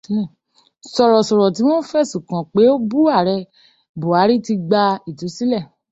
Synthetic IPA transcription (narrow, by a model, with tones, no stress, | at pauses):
sɔ˨ɾɔ˨sɔ˨ɾɔ˨ti˨˦w̃ɔ̃˦fɛ˦˨sũ˨kã˨k͡pe˨˦o˦bu˦a˦˨ɾɛ˧ | bo˨a˨˦ɾi˦ti˧ɡ͡ba˧i˨tu˨˦si˦lɛ˦˨